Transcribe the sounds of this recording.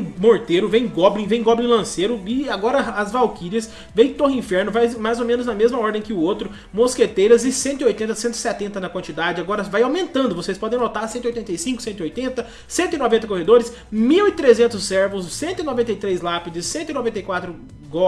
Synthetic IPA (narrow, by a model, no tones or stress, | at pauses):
moɾt̪eɾʊvẽj̃ɡɔblĩvẽj̃ɡɔblĩlɐ̃seɾʊɪaɡɔɾɐɐzvawkiɾɐs | vẽj̃t̪ohɪĩfɛɾnʊvajmajzomẽnʊznɐmezmɐɔɾd̪ẽj̃kɪʊot̪ɾʊ | mosket̪ejɾɐzɪsẽnt̪ʊɪojt̪ẽnt̪ɐsẽnt̪ʊɪ̥sɛt̪ẽnt̪ɐnɐkwɐ̃nt͡ʃid̪ad͡ʒɪaɡɔɾɐvajawmẽnt̪ɐ̃nd̪ʊvosespɔd̪ẽj̃not̪aɾsẽnt̪ɪjojt̪ẽnt̪ɐjsĩŋkʊ̥sẽnt̪ʊɪojt̪ẽnt̪ɐ | sẽnt̪ʊɪnɔvẽnt̪ɐkohed̪oɾɪs | miwɪt̪ɾezẽnt̪ʊsːɛɾvʊssẽnt̪ʊɪnovẽnt̪ɐjt̪ɾejslapɪd͡ʒɪsːẽnt̪ʊɪinovẽnt̪ejkwat̪ɾʊ | ɡɔ